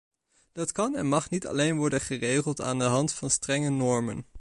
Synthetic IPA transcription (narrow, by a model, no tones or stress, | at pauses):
d̥ɑtkɑnɛ̰nmɑχnitɑ̰lejnʋɔɹdənχərejχəlˠta̰ːndəɦɑntfɑnstrɛŋənɔɹmə̰n